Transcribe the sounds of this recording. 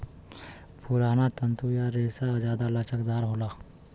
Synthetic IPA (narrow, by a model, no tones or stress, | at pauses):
pʊɾaːnat̪ənt̪ujaɾeːsad͡ʒaːd̪alət͡ʃʰəkd̪aːɾɦoːlaː